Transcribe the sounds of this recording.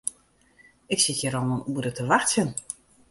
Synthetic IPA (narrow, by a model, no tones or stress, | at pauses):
ɪksɪtjəɾɔnənuəɾətəʋaxtsjən